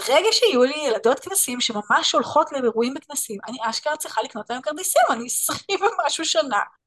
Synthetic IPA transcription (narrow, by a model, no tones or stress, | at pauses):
beʁeɡaʃeajulijeladotknasiimʃemamaʃo̞lχo̞tlebeʁuimbeknasimʔaniʔaʃkant͡sʁiχaliknotlaemkaʁd̪isimanisχivemaʃuʃana